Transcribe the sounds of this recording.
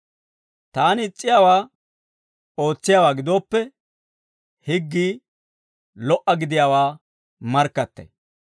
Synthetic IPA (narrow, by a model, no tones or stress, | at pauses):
t̪aːnɪt͡sʼːɪjaːwaː | o̞ːt͡sːɪjaːwaːɡɪd̪oːpːɛ | hɪɡːiː | lɔʔɐɡɪd̪ɪjaːwaː | mɐɾkːɐt̪ːɐ̰j